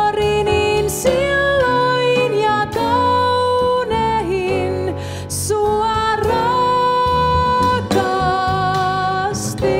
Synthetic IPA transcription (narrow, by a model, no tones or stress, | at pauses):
rininsilːoinjɑt̪ouneɦin | suɑrɑ | kɑ | st̪i